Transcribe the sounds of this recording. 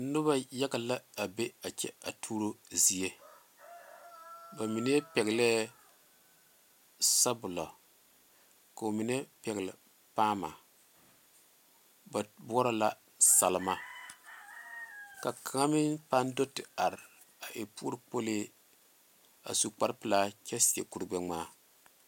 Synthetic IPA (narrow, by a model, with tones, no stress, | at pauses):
nʊ˦ba˦ja˦ɡa˨la˦a˨be˦a˨t͡ʃɛ̰˦a˨tʰuː˦ɾo˦zi˨e˦ | ba˨mi˨nɛ˦pɛ˨ɣlɛ˦ | sa˦bʊ˨lɔ̰˨ | ka˨o˨mi˨nɛ˦pɛ˨ɣlɪ˨ | paː˦ma̰˨ | ba˨bɔ˦ɾɔ˦la˦ | sa˨lma˨ | ka˨kʰa˨ŋa˦mɪ˦npa˦ndo˦tɪ˨a˨ɾ | a˨ʔe˨pu˦ɾɨ˨po˦le˦ | a̰˨su˨k͡pa˦ɾpɨ˨la˦kɛ˦si˨ḛ˨ku˨ɾɡ͡bɛ˨ŋ͡maː˦